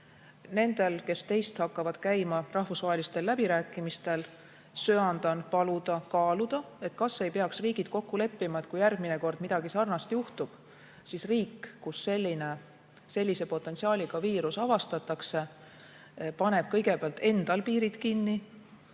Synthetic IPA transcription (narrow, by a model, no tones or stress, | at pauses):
ne̞nd̪̥e̞lke̞st̪e̞jst̪hɑkːɑvɑd̪̥kæjmɑrɑhvusvɑɦe̞list̪e̞lːæbiɾæːkːˑimist̪e̞l | søɑnd̪ɑnpɑlud̪̥ɑkɑːlud̪̥ɑ | e̞t̪kɑsːe̞jpe̞ɑksriːɡ̥id̪̥̚ko̞kːule̞pːimɑe̞t̪ˑkujærɡ̥̚mine̞ko̞rd̪̥mid̪̥ɑɡisɑrnɑst̪juht̪ub̥ | sisriːkːusːe̞lʲːine̞ | se̞lʲːise̞po̞t̪ːˑensiɑːlʲiɡ̥ɑviːɾusɑvɑst̪ɑt̪ːˑɑkse̞ | pɑne̞b̥̚kɤ̞jɡ̥e̞peɑlt̪ːe̞nd̪̥ɑlpiːɾid̪̥kinːi